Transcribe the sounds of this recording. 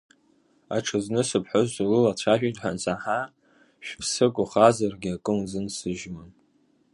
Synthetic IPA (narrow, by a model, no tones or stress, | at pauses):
aʈ͡ʂʰɨznɨsɨpʰħʊzalɨlat͡ɕʷʰaʒᶣitʼħant͡sʼaħa | ʃᶣpʰsɨkʷʼʊχazarɡʲiakʼɨmzɨnsɨʒman